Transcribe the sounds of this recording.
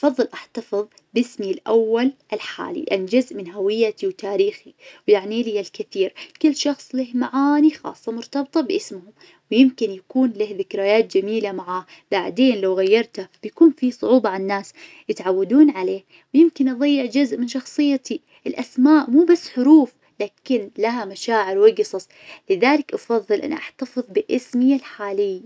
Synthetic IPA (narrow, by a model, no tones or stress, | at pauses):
ʔɑfɑðˤːɨlʔaħt̪ɑfɨðˤ | bɪsmilʔawːalʔɪlħa̰ːlḭlɪʔanːd͡ʒʊzʔmɪnɦawɪjːat̪iwt̪aːɾiːxiwjaʕniːlialkɪθiːɾkɪlːʃɑxsˤlɪhmaʕaːnixɑ̰ːsˤːɑmʊɾt̪ɑbt̪ˤɑbʔɪsmʊhʊm | wjɪmkɪnjakuːnlɪhðɪkɾaːjaːt̪̚d͡ʒamiːlamaʕaːh | b̥aʕd̪eːnlawɣajːɑɾˤt̪ab̥jakuːnfisˤʊ̰ʕuːbɑʕanːaːs | jɪt̪ʕawːad̪uːnʕaleːh | wɪjɪmkɪnʔɑðˤɑjːɪʕd͡ʒʊzʔmɪnʃɑxsˤɨjːat̪ʰi | ʔɪlʔasmaːʔmuːbasːħʊɾuːf | laːkɪnlaɦamaʃaːʕɪɾwɪɡsˤɑsˤ | lɪðaːlɪkʔɑfɑðˤːɨlʔa̰nʔaħt̪afɨðˤbɪʔɪsmɪalħaːlɪjːa